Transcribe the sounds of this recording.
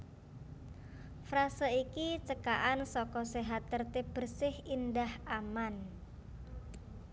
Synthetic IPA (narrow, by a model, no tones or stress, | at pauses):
fɾasəikit͡ʃəkaʔansɔkɔseɦat̪ːərt̪eb̥ə̤rsɪhindahaman